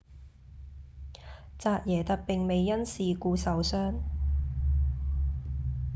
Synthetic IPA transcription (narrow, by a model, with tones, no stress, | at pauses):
t͡saː˧t̚jɛː˨˩t̪ɐ˨k̚pɪ˨ŋme˨jːɐ˥nsiː˨kuː˧sɐ˨wsœː˥ŋ